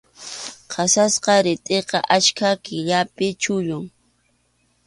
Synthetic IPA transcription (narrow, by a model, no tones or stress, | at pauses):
qʰɑsasqɑɾɪt̪ʼeqɑʔat͡ʃkʰakɪʎapɪt͡ʃʊʎʊŋ